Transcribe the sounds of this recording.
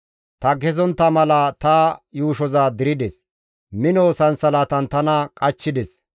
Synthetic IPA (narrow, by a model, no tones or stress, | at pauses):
t̪ɐɡɛzɔnt̪ːɐmɐlɐt̪ɐjuːʃɔzaːd̪ɪɾɪd̪ɛs | mɪnoːsɐnsɐlaːt̪ɐnt̪ɐnɐkʼɐt͡ʃːɪd̪ɛs